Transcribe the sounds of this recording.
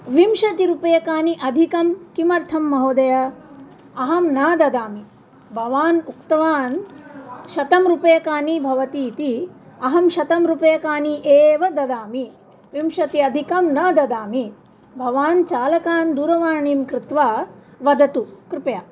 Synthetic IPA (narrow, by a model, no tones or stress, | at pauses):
ʋimʃɐt̪iɾupɐjɐkaːniʔɐd̪ʱikɐmkimɐɾt̪ʰɐmːɐɦoːd̪ɐjɐ | ɐɦɐmnaːd̪ɐd̪aːmi | bʱɐʋaːnukt̪ɐʋaːn | ʃɐt̪ɐmɾupɐjɐkaːnibʱɐʋɐt̪iːt̪iɐɦɐmʃɐt̪ɐmɾupɐjɐkaːniʔeːʋɐd̪ɐd̪aːmi | ʋimʃɐt̪iɐd̪ʱikɐmnɐd̪ɐd̪aːmi | bʱɐʋaːnt͡ʃaːlɐkaːnd̪uːɾɐʋaːɳiːmkɾɪt̪ʋaʋɐd̪ɐt̪ukɾɪpɐjaː